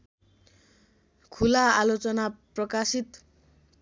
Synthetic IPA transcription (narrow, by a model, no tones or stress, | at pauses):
kʰulaalot͡sʌnaprʌkasit̪